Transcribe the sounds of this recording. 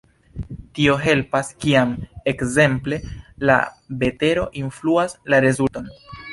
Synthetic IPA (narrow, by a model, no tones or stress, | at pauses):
tio̞ɦe̞lpaskiamekze̞mple̞la̰be̞te̞ɾo̞ʔinfluaslaɾe̞zuto̞n